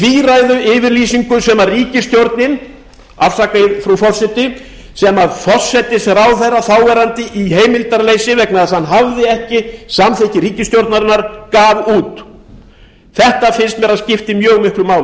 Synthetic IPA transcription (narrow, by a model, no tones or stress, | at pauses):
fiːɾajðʏʔɪːvɪɾliːsiŋkʏsɛmariːcɪst̪jowɾt̪nɪn | afsakðfɾufɔr̥sɛt̪ɪ | sɛmaðfɔr̥sɛt̪ɪsɾawθejrːaθaːwvɛɾant̪ɪʔiheːjmɪlt̪aɾleːjsɪvɛknaðashanːɦavðɪɛhcɪsamθehcɪɾiːcɪst̪jowɾt̪naɾɪnːaɾ̥kaːvuːt̪ | θɛht̪afɪnst̪mɛɾaðscɪft̪ɪmjœːɣmɪhklʏmaːwl